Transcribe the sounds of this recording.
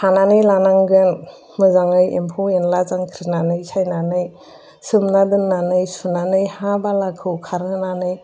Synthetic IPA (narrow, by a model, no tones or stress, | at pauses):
hʰananɯjlanaŋɡɯn | mɯzaŋɯjḛmpʰoenlazaŋkʰɾinanɯjsʰajnanɯj | sɯmnadɯnːanɯjsunanɯjhabalakʰɯwkʰaɾnɯnanɯj